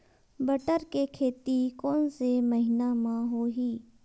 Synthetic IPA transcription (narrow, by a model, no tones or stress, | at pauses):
bəʈəɾkekʰeːt̪ikɔːnsemɐɦɪnamãɦoːɦiː